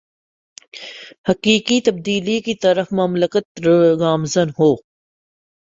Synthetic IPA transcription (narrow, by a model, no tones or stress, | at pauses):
hɐkiːkit̪ɐb̚d̪iːlikit̪ɐɾəfmɐmləkət̪ɾɡaːmzənɦoː